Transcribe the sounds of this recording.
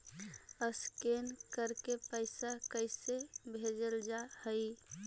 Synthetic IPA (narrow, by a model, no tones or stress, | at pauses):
əskenkəɾpkepəɪsakəɪsebʱed͡ʒəld͡ʒahəj